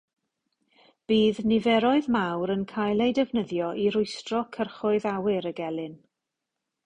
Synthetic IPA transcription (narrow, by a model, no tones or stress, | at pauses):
b̥iːðnɪvɛɾɔɨðmawɾənkʰajlˠejdɛvnəðjɔʔiɾʊɨstrɔkʰərχʊɨðawɪɾəɡɛlˠɨn